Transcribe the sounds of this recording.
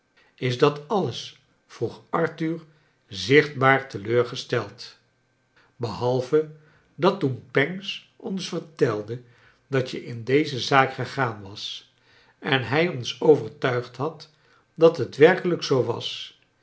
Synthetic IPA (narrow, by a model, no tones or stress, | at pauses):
ɪzdɑtɑləs | fruχɑɹtyɹ | zɪχd̚baːɹtəløːɹχəstɛlˠt | bəɦɑlˠvə | dɑtunpɛŋs | ʔɔnsfəɹtɛlˠdə | d̥ɑtəʔɪndejzəzaːkχəχaːnʋɑs | ʔɛnɦɛjɔnsowvəɹtœɥχtɦɑt | dɑtɦətʋɛrkələksowʋɑ̰s